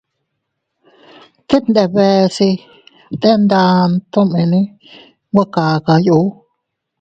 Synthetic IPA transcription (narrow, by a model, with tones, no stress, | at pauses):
t̪e˦t̪nd̪e˧be˧si˧ | t̪e˦nd̪a˧nt̪o˦mẽ˧nĩ˦ | ɡʷa˦ka˨ka˧ju˧˦